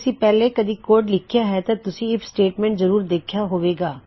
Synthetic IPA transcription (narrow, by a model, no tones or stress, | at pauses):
sĩːpɛːleːkəd̪iːkoːɾɖlɪkʰɪjaːɦɛːt̪ãːt̪ʊsĩːɪpsʈeːʈmɛ̃ːɳʈzəɾuːɾd̪eːkʰjaːɦoːʋeːɡaː